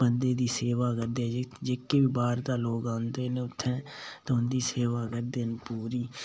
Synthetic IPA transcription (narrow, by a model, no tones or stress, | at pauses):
bənd̪eːd̪iːseːʋaːkəɾd̪eːɛ̃d͡ʒekːeːbibaːɾd̪aːloːɡãːnd̪eːnẽʊt̪ʰːɛ̃ːt̪oʊnd̪iːseːʋaːkəɾd̪eːnpuːɾiː